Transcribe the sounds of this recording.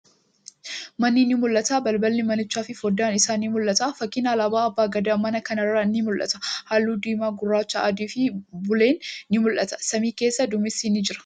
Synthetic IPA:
mɐnːiːnɪmʊlʔːɐt̪aːbɐlbɐlːɪmɐnɪt͡ʃːaːfɪfwɔd̪aːnɪsaːniːmʊlʔːɐt̪aːfɐkːɪnaːlɐbaːɐbːaːɡɐd̪amɐnɐkɐnɐrːɐnːɪmʊlʔɐ̰t̪ɐ̥haːlːuːd̪iːmaːɡʊrːaːt͡ʃːɐʔːd̪iːfɪbʊle̞ːnːɪmʊlʔɐt̪ɐ̥sɐmiːke̞ːsːɐd̪ʊmɪsinɪd͡ʒɪɾɐ̥

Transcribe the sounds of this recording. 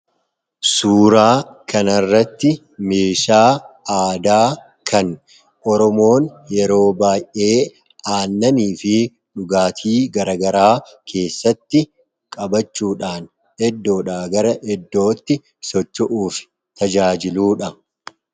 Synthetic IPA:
suːɾaːkʰɐnɐrːɐt̪ːɪ | me̞ːʃaːaːd̪aː | kɐn | ʔɔɾɔmo̞ːnjɛɾo̞ːbaːjʔʔe̞ː | aːnːɐniːfɪ | ᶑʊɡaːt̪ʰiːɡɐɾɐɡɐɾaːkʰe̞ːsːɐt̪ːɪ | kʼɐbɐt͡ʃːuːᶑaːn | ɛd̪ːo̞ːᶑaːɡɐɾɐʔɛd̪ːo̞ːt̪ːɪ | sɔt͡ʃːɔʔuːfɪ̥ | t̪ɐd͡ʒaːd͡ʒɪluːᶑɐ

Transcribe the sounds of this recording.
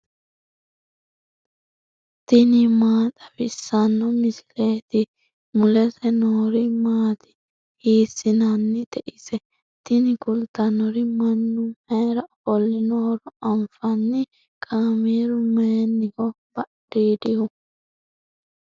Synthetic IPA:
t̪ɪnɪmaːt̪ʼɐfɪsːɐnːɔmɪsɪ̥leːt̪ɪ | mʊlɛsɛnoːɾɪmaːt̪ɪ̥ | hiːsːɪnɐnːɪt̪ɛʔɪsɛ | t̪ɪnɪkʊlt̪ɐnɔɾɪmɐnːʊmheːɾɐfɔlːɪnoːɾɔɐmfɐnːɪ | kʼaːmiːɾʊmeːnːɪkɔ | b̥ɐɗiːd̪ɪhʊ

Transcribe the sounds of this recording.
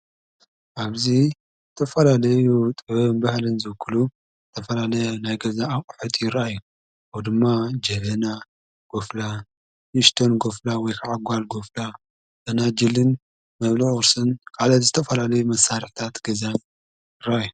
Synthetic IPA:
ʔaβzi | zɨt̪ʰɐfɐlalɐjut̪ʼɨβnbahlɨnzɨβɨkʰːɨlu | zɨt̪ʰɐfɐlalɐjnajɡɐzaːkʼħut̪ʼjɪɾʔajːu | awd̪ɨmːad͡ʒɐβɐna | ɡ̥ofla | niʃt̪ʰonɡo̞flawɔjkʰaʕaɡʷalɡofla | ʔɨnad͡ʒɨlɨn | mɐβliʔʊɾsɨnkʰalɐt̪zɨt̪ʰɐfɐlalɐjumɐsaɾɨħt̪ʰat̪ɡɐzan | jɪɾaʔajːu

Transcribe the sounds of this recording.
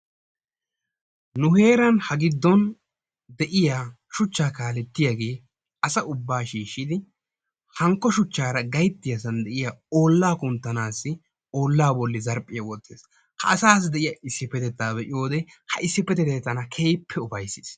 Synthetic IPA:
nʊhe̞ːɾɐnhɐɡɪd̪ːɔn | d̪ɛʔɪjaː | ʃʊt͡ʃːaːkaːlɛt̪ːɪjɐɡe̞ː | ɐsɐʊbːaːʃiːʃːɪd̪ɪ | hɐŋkːɔʃʊt͡ʃːaːɾɐɡɐjt̪ːɪjɐs̬ɐnd̪ɛʔɪjaoːlːaːkʊnt̪ːɐnaːsːɪ | o̞ːlːaːbɔlːɪzɐɾpʼːɪjɐwɔt̪ːeːs | hɐ̰ʔɐsaːs̬d̪ɛʔɪjɐʔɪsːɪpːɛt̪ɛt̪ːaːbɛʔɪjo̞ːd̪ɛ | hɐʔɪsːɪpːɛt̪ɛt̪t̪ːɐnɐkʰeːjpʰːɛʊfɐjsːɪs

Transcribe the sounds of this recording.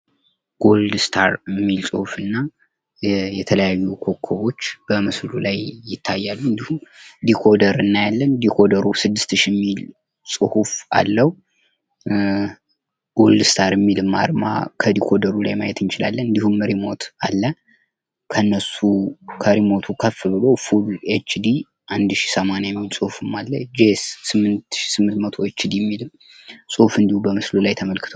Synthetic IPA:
ɡ̥o̞ld̪st̪ʰaɾɛmːilsʼɨhufɨnːa | jɛt̪ʰələjajːukʰo̞kʰːoβo̞t͡ʃːb̥əmɨslulajːɪt̪ʰːajːalːuɨnd̪ihumd̪ikʰo̞d̪əɾɨnːajalːənd̪ikʰo̞d̪əɾusɨd̪ːɨst̪ʰɨʃɛmːil | sʼɨhufa̰lːəhu | ɡ̥o̞ld̪ɨst̪ʰaɾəmːilɨmːa̰ɾma̰kʰəd̪ikʰo̞d̪əɾula̰jmajɛt̪ʰɨnt͡ʃɪlalːənɨnd̪ihumːəɾimo̞t̪alːə | kʰəɨnːəsukʰəɾimo̞t̪ʰukʰəfːɨbɨlo̞fulet͡ʃːd̪i | ʔand̪ʃi̥səmanjajɛmːilsʼɨhufɨmːalːəd͡ʒessɨmːɨnt̪ʃi̥sɨmːɨnt̪mət̪ʰo̞et͡ʃːd̪ijɛmːilɨm | sʼɨhfɨnd̪ihubəmɨslulajt̪ʰəməlkʰɨ̥t̪ʰow

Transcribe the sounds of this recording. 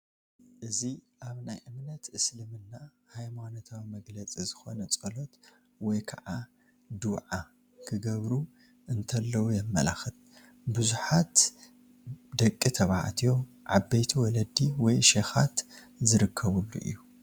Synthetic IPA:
ʔɨziʔaβnajʔɨmnɐt̪ɨslɨmɨnːa | hajmano̞t̪ʰawimɐɡlɐt͡sʼizɨxo̞nɐt͡sʼɐlot̪ | wɔjkʰɐ̰ʕa | d̪uwʕa | kʰɨɡɐβɾu | ʔɨnt̪ʰɐlːɐwujɛmːɐ̰la̰xɨt̪ | buzuħat̪ | d̪ɐkʼːit̪ʰɐβaʕa̰t̪ʰijo | ʕabːejt̪ʰiwɔlɐd̪iwɔjʃexat̪ | zɨɾɨkʰːɐβulːṵʔɨ̰jːu

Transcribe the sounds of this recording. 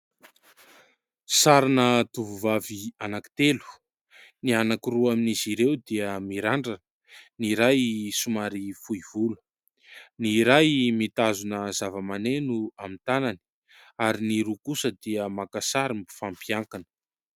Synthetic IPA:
saɾanət̪uvuvavianaki̥t̪elu̥ | nianakiruaminiziɾewd̪iəmiɾaɳɖ͡ʐan | niɾajsumaɾifuiv̥ul̥ | niɾajmit̪azunəzavəmanenuamint̪anani̥ | aɾiniɾukusəd̪iəmakasaɾimbi̥fampjaŋkanə̥

